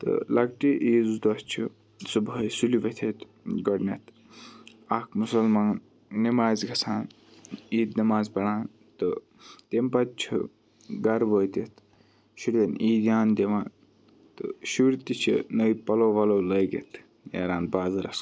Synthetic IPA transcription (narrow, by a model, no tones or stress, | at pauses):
t̪ɨ̰lɐɡʈiʔiːzd̪ɐst͡ʃʰi | subɐjsuliʋɐt̪ʰet̪ | ɡɐɽnet̪ | ɐkʰmusɐlmaːn | nimaːzɡɐsʰaːn | iːd̪nimaːzbɐɽaːn | t̪ɨ | t̪empɐt̪̚t͡ʃʰḭ | ɡɐɾʋoːt̪it̪ | ʃuɾʲd̪ɐniːd̪jaːnd̪eʋaːn | t̪ɨ̰ʃuɾt̪it͡ʃʰḭnɐipɐloːʋɐloːlɐjɡḛt̪ʰ | jḛɾaːnbaːzɐɾɐ̰s